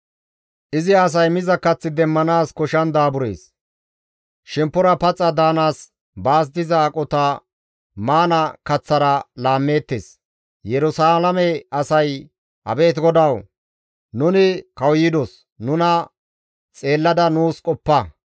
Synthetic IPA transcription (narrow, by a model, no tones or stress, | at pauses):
ʔɪzɪɐs̬ɐjmɪzɐkɐt͡sːɪd̪ɛmːɐnaːskɔʃɐnd̪aːbʊɾe̞̰ːs | ʃɛmpːɔɾɐpɐt͡sʼːɐd̪aːnaːs | baːs̬d̪ɪzɐːkʼɔt̪ɐ | maːnɐkɐt͡sːɐɾɐlaːmːe̞ːt̪ːḛːs | jɛɾʊsaːlɐmɛɐsɐj | ʔɐ̰be̞ːt̪ɡɔd̪ɐw | nʊnɪkɐwjɪd̪ɔs | nʊnɐ | t͡sʼe̞ːlːɐd̪ɐnuːskʼɔpːɐ